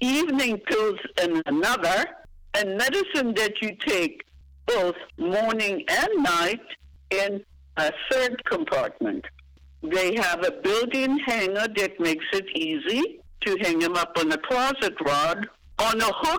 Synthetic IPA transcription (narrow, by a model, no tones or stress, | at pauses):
ivnɪ̃ŋfʰɪlˠzɨnənʌðə˞ | ɨnmɛɾɨsɨ̃nðɨt͡ʃɨtʰeɪk̚ | b̥oʊθmɔɹnɪ̃ŋɨ̃nːaɪɾ | ɪ̃n | ɨθɜ˞d̚kʰə̃mpʰɑ̰ɹt̚mɨ̰̃nt | ðeɪəvɨbɪlˠdɪ̃ŋhæ̃ŋə˞ðɨt̚meɪksɨɾizi | ɾɨɦæ̃ŋɨ̃mʌpə̃nðɨkʰl̥ɑzɨt̚ɹɔd | ə̃nəhʊk̚